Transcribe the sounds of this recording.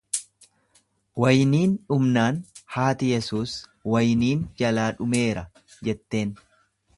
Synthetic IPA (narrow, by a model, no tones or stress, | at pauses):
wɐjniːnᶑʊmnaːnhaːt̪ɪjɛsuːswɐjniːnd͡ʒɐlaːᶑʊme̞ːɾɐ | d͡ʒɛt̪ːe̞ːn